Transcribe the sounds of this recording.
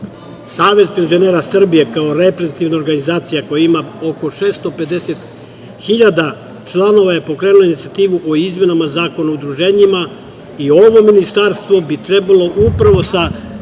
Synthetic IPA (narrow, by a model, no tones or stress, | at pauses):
saːʋe̞zpe̞nzio̞ne̞ːɾasr̩bije̞kaoɾe̞pɾezet̪iʋnaoɾɡanizaːt̪sijako̞jaimao̞ko̞ʃeːst̪o̞pe̞d̪e̞set̪ | xiʎad̪a | t͡ʃlˠano̞ʋaje̞po̞kɾe̞ːnulo̞init̪siat̪iːʋuʔoizme̞namazaːko̞naud̪ɾuʒe̞ːɲima | io̞ʋo̞minist̪aɾst̪ʋo̞bit̪ɾe̞balˠo̞ʔupɾaʋo̞sa